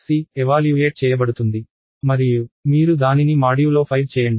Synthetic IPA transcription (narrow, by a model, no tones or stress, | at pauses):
siɛʋaːljueːʈ̚t͡ʃɛːjɐbɐɽut̪und̪i | mɐɾijumiːɾud̪aːninimaːɽijulo̞ːpʰɐjʋt͡ʃɛːjɐɳɖi